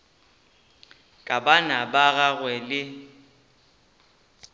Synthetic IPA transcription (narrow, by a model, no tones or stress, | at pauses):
kʼabanabaɣaɣwɛlɪ